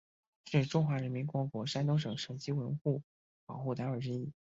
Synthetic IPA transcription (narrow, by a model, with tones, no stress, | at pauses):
ʂɻ̩˥˩ʈ͡ʂʊ˥ŋxwa˧˥ɻə˧˥nmi˧˥nkwɔ˧˥kwɔ˧˥ʂa˥nt̪ʊ˥ŋʂɤ˨˩ŋʂɤ˨˩ʊt͡ɕi˥wə˧˥nxu˥˩ | pɑ˨˩ʊxu˥˩t̪a˧˥ə˞˨˩ʈ͡ʂɻ̩˥˧i˥˩